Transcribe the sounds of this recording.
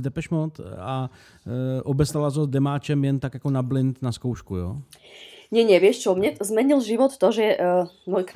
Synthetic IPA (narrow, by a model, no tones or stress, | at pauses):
d̪ɛpɛʃmot̪a | ʔobɛst̪alazod̪ɛmaːt͡ʃɛmjɛnt̪akjakonablɪnt̪naskowʃkujo̰ː | ɲɛɲɛʋɪɛʃt͡ʃɔmɲɛzmɛɲilʒiʋɔt̪ːɔʒɛmɔjk